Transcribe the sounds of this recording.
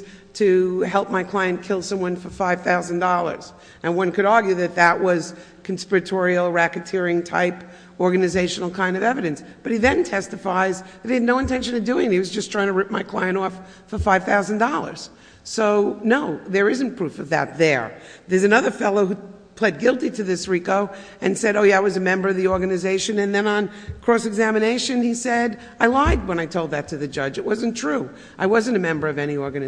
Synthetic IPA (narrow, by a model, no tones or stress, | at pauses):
tʰɨɦɛlˠp̚maɪkʰl̥aɪɨ̃nkʰɪlˠsʌ̃mwʌ̃nfə˞faɪv̥θaʊzn̩dɔlˠə̰˞z̥ | ɨ̃nwʌ̃nkɨɾɑɹɡjʉðɨt̪̚ðəʔ̚wʌz̥ | kʰn̩spɪɹɨtʰɔɹil̩ˠɹækɨtʰɪɹɪ̃ŋtʰa̰ɪp | ɔɹɡɨnɨzeɪʃn̩l̩ˠkʰãɪ̃ndʌvɛvɨɾɨ̃nsb̥ʌt̚iðɨ̃ntʰɛstɨfaɪzðɨt̚hiɨdⁿnoʊɨ̃ntʰɛ̃nʃɨ̃nʌvdʉɪ̃ŋniwʌzd͡ʒʌstʰɹ̥aɪɪ̃ŋtʰɨɹɪp̚maɪkʰl̥aɪɨ̃ɾ̃tɔf | fə˞faɪv̥θaʊzn̩dɔlˠə̰˞z̥ | soʊnoʊðə˞ɪzɨ̃n̩pʰɹ̥ufʌvðɨ̰t̪̚ðə̰˞ðə˞zɨnʌðə˞fɛlˠoʊɦu | pʰl̥ɛd̚ɡɪlˠtiɾɨðɪsɹikoʊ | ɨ̃nsɛɾoʊjæaɪwʌzɨmɛ̃mbə˞ʌvðiɔɹɡɨnɨzeɪʃɨ̃nɨ̃nðɨ̃nə̃n | kʰɹ̥oʊsɨɡzæmɨneɪʃɨ̃nisɛɾ | aɪlaɪd̚wə̃ñaɪtʰoʊlˠd̪̚ðɨtʰɨðɨd͡ʒʌd͡ʒɨt̚wʌzɨ̃ntʰɹ̥u | ʔaɪwʌzɨ̃ntɨmɛ̃mbə˞ʌvɛñiɔɹɡɨnɨ